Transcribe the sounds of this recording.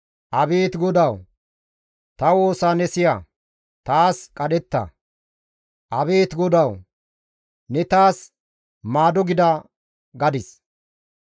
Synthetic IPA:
ʔɐbeːt̪ɡɔd̪ɐw | t̪ɐwo̞ːsaːnɛsɪja | t̪aːskʼɐɗɛt̪ːɐ̰ | ʔɐbe̞ːt̪ɡɔd̪ɐw | nɛt̪aːs | maːd̪ɔɡɪd̪ɐ | ɡɐd̪ɪs

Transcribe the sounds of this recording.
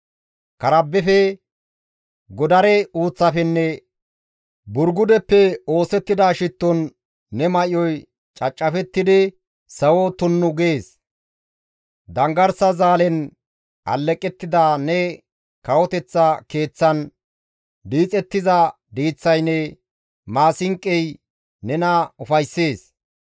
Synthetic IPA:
kɐɾɐbːɛfɛ | ɡɔd̪ɐɾɛuːt͡sːɐfɛnːɛ | bʊɾɡʊd̪ɛpːɛo̞ːsɛt̪ːɪd̪aːʃɪt̪ːɔnː | ɛmɐʔɪjɔj | t͡ʃʼɐt͡ʃʼːɐfɛt̪ːɪd̪ɪ | sɐwɔt̪ʊnːʊɡeːs | d̪ɐŋɡɐɾsɐzaːlɛn | ʔɐ̰lːɛkʼːɛt̪ːɪd̪aːnɛ | kɐwɔt̪ɛt͡sːɐke̞ːt͡sːɐn | d̪iːt͡sʼɛt̪ːɪzɐ | d̪iːt͡sːɐjnːɛ | maːsɪŋkʼːɛj | nɛnɐʊfɐjsːe̞ːs

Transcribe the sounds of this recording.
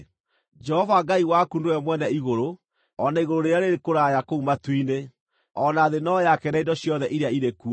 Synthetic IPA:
d͡ʒɛhɔvaɡaiwakundoɔmwɛnɛiɣoɾo | ɔnaiɣoɾoɾejaɾeɾekoɾajakoumatwine | ɔnaːðenɔjakɛnaidɔɕjɔðɛʔiɾeaiɾeku

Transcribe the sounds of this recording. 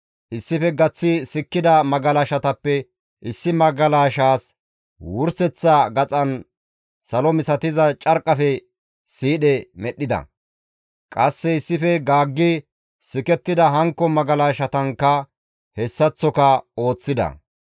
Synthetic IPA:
ʔɪsːɪfɛɡɐt͡sːɪsɪkːɪd̪ɐmɐɡɐlaʃɐt̪ɐpːɛ | ʔɪsːɪmɐɡɐlaːʃaːs | wʊɾsɛt͡sːɐɡɐt͡sʼɐn | sɐlɔmɪsɐt̪ɪzɐt͡ʃʼɐɾkʼːɐfɛ | siːɗɛmɛɗːɪd̪ɐ̰ | kʼɐsːɛɪsːɪfɛɡaːɡːɪ | sɪkɛt̪ːɪd̪ɐɦɐŋkːɔmɐɡɐlaːʃɐt̪ɐŋkːɐ | hɛsːɐt͡sːɔkɐo̞ːt͡sːɪd̪ɐ̰

